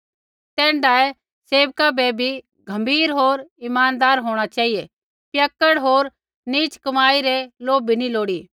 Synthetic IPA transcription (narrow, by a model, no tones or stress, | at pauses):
t̪ɛːɳɖaːe | seːʋkabɛbʱi | ɡʱɐ̃mbʱiːɾɦoːɾɪmaːnd̪aːɾɦoːɽ̃at͡ʃaːije | pjɐkːəɽɦoːɾ | niːt͡ʃkɐmaːiɾɛloːbʱiniloːɽi